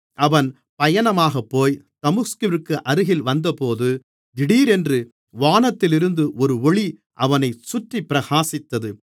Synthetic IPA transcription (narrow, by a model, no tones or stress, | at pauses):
ʔɐʋɐn | pɐjɐnɐmaːɣɐpːoːjt̪ɐmɯskɯʋɪrkːɯʔɐɾɯɣɪlʋɐnd̪ɐpoːðɯ | d̪ɪɽiːɾɛndrɯ | ʋaːnɐt̪ːɪlɪɾɯnd̪ɯʔɔɾɯɔɭi | ʔɐʋɐnɐɪsʊʈripːɪɾɐɣaːsɪt̪ːɐðɯ